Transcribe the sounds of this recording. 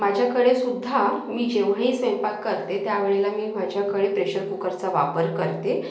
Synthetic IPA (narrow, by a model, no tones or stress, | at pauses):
mad͡ʑʱjakəɽesud̪ʱːamiːd͡ʑeʋ̤aɦiːsʋẽmpat̪̚kəɾt̪et̪jaʋeɭelamiːmad͡ʑʱakəɭepɾeɕəɾkukəɾt͡saʋapəɾkəɾt̪e